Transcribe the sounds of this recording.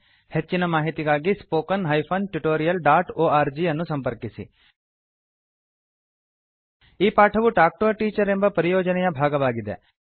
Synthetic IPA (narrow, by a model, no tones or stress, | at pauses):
het͡ʃːinɐmaːɦit̪iɡaːɡispoːkɐnɦɐjpʰonʈuʈoːɾijɐlɖaːʈoːaːɾd͡ʒiɐnːusɐmpɐɾkisḭ | iːpaːʈʰɐʋuʈaːk̚ʈoːʈiːt͡ʃɐɾembɐpɐɾijoːd͡ʒɐnɛjɐbʱaːɡɐʋaːɡid̪e